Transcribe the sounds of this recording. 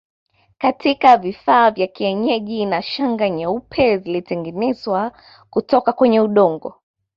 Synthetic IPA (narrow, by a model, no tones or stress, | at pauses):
katʰikavifaːvjakiɛɲɛʄinaʃaŋɡaɲaupʰɛzilitɛŋɡɛnɛzwa | kutɔkakwɛɲɛuɗɔŋɡɔ̰